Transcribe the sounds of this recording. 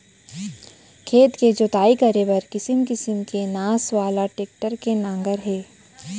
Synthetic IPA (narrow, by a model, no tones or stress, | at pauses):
kʰeːt̪ked͡ʒot̪aːikɐɾebɐɾkɪsɪmkɪsɪmkenaːsʋaːlaʈeːk̚ʈəɾkenãːŋɡəɾɦɛː